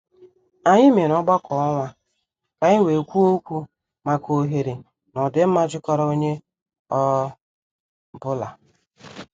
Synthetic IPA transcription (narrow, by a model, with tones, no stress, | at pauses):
a˨ɲɪ˦me˨ɾɔ˦ɡ͡ba˦kʰɔ˨ɔ˦ŋʷa˦ | ka˨ɲɪ˦we˨kʷu˦o˦kʷu˦ | ma˨ko˨ɦe˨ɾi˨ | nɔ˨dɪ˦m̩˦ma˦d͡ʒɪ˦kɔ˦ɾɔ˦o˦ɲe˦ | ɔ˦ | bʊ˦la̰˨